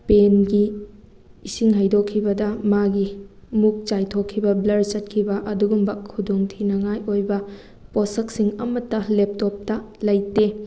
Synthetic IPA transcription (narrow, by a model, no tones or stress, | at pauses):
penɡiː | siŋɦɐjdokʰːibɐdɐmaɡimuk̚t͡ʃajtʰokʰːibɐblɐɾt͡ʃɐt̚kʰibɐʔɐduɡumbɐkʰudoŋtʰinɐŋajojbɐ | posɐk̚siŋɐmɐtːɐlep̚top̚tɐlɐjte